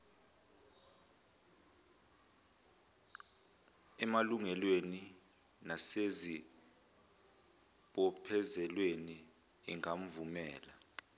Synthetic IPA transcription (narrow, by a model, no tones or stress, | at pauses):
ɛmaluŋɛlweni | nasezi | ɓɔpʰɛzɛlweni | iŋam̩vumɛːla